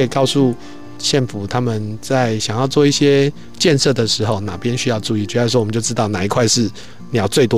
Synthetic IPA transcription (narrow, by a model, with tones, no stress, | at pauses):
kɑ˥˧ʊsu˥˧ | ɕjɛ˥˩nfu˨˩˦t̪ʰa˥mə˨nt͡sa˥˩ɪɕjɑ˨˩ŋjɑ˥˧ʊt͡swɔ˥˧i˥˩ɕjɛ˦ | t͡ɕjɛ˥˧nʂɤ˥˩d̪ə˩ʂɻ̩˧˥xo˥˩ʊna˨˩pjɛ˦nɕy˥jɑ˥˧ʊʈ͡ʂu˥˧i˥˩t͡ɕɥɛ˧˥˩s̬wɔ˥wmə˦t͡ɕo˥˧ʊʈ͡ʂɻ̩˦t̪ɑ˥˩ʊna˨˩i˧˥kʰwa˥˧ɪʂɻ̩˥˩ | njɑ˨˥˦ʊt͡swe˥˩ɪt̪̬wɔ˥